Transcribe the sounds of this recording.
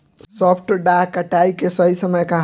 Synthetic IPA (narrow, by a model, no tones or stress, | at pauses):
sɔpʰʈɖakəʈaikesəɦisəməjkãɦ